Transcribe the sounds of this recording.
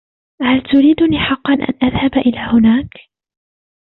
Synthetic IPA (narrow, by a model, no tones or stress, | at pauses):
halt̪ʊɾiːd̪ʊniːħɑqːɑnʔa̰nʔaðhabʔɪlaːhʊnaːk